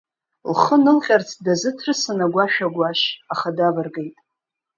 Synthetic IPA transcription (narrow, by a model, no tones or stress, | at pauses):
lχənɨlqʲʼart͡sʰdazɨtʰrɨsanaɡʷaʃᶣaɡʷaʃaχadavarɡejtʼ